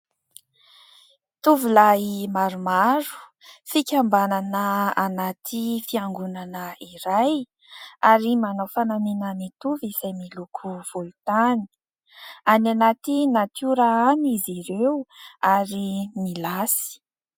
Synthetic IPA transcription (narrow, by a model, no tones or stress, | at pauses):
t̪uvulaimaɾumaɾu̥ | fikʲambananəanat̪ʰifiaŋɡunanəiɾaj | aɾimanowfananinəmit̪uviz̥ajmilukʰuv̥olut̪ani̥ | ananat̪inat̪uɾaaniziɾewaɾimilasi̥